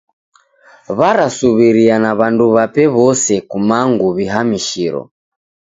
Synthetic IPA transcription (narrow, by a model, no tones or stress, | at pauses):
βaɾasuβiɾianaβanduβapɛβɔsɛkumaŋɡuβiɦamiʃiɾɔ̰